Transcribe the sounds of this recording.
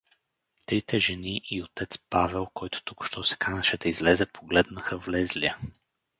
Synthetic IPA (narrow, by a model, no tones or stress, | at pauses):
t̪ɾit̪ɛʒɛniʔiot̪ɛt̪spavɛlˠkɔjt̪ʊ̥t̪ukʃt̪ɔsɛ̥kʰanəʃɛd̪ɐizlɛzɛpʰoɡlɛd̪nəxəvlɛzliə